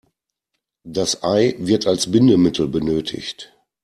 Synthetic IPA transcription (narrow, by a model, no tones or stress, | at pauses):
d̥asʔaɪvɪɐtalsbɪndəmɪtʰl̩bənøːtʰɪ̰çt